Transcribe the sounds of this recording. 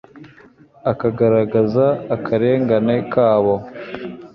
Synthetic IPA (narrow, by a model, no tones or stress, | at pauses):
akaɡaɾaɡazaːkʰaɾe̞ːŋɡanekaːβo